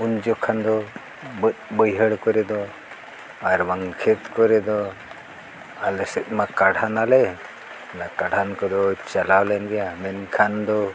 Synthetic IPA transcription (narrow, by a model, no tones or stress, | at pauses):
und͡ʒɔkʰand̪ɔ | bət̚bəjɦəɽkɔɾɛd̪ɔ | aɾbaŋkʰɛt̪kɔɾɛd̪ɔ | alɛsɛt̪̚ˀmakaɽʱanalɛ | nakaɽankɔd̪ɔt͡ʃalawlɛnɡɛjamɛnkʰand̪ɔ